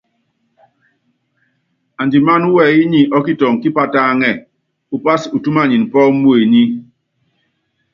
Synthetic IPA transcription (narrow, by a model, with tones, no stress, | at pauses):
a˨nd͡ʒi˨ma˦nu˦wɛ˦˨i˦ɲi˨ʔɔ˦ki˦tɔ˨ŋ˨ki˦pa˦ta˦˨ŋɛ˦˨ | u˨pa˦su˨tu˦ma˦˨ɲi˨n˨pɔ˦mu˦e˨ɲi˦